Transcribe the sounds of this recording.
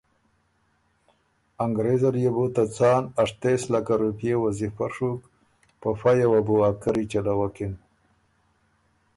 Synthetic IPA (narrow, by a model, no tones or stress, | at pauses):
aŋɡɾezaɾjebot̪at͡sɑːnaʂt̪eslakaɾupjewazifaɾʂuk | pafajawabuakaɾit͡ʃalawakin